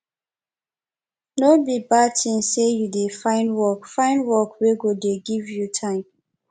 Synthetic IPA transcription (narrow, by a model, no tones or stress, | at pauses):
nobibatʰĩnsejudefãɪ̃ndwɔkfãɪ̃ndwɔkweɡodeɡivjutʰãɪ̃m